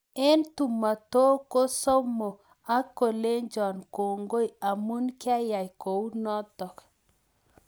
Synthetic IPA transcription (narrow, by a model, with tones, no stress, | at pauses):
e˦ntu˨ma˨to˦ko˦so˦mo˨ | a˦ko˨le˦nd͡ʒɔ˨nko˨ŋɡo˦i˨a˨mu˦nkɪ˦a˦ja˨jko˨u˦nɔ˦dɔ˨k